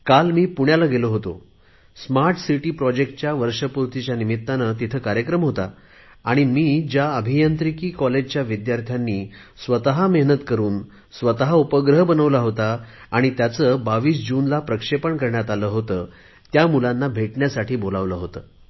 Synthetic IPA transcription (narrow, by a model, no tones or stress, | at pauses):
kalmiːpuɳjalaɡeloɦot̪o | smaɾʈsiʈiːpɾɔd͡ʑek̚ʈ̚t͡ɕjaʋəɾʂəpuɾt̪it͡ɕjanimit̪ːanət̪it̪ʰəːkaɾjəkɾəmɦot̪a | aɽ̃imiːd͡ʑjaəbʱijənt̪ɾikiːkɔled͡ʑt͡ɕjaʋid̪jaɾt̪ʰjanːiː | sʋət̪əɦameɦnət̪kəɾuːn | sʋət̪əɦaupəɡɾəɦbənəʋlaɦot̪aː | ɽ̃it̪jat͡səːbaʋiːsd͡ʑuːnlapɾəkʂepəɳkəɾɳjat̪aləːɦot̪əː | t̪jamulanːabʱeʈɳjasaʈʰiːbolaʋləɦot̪əː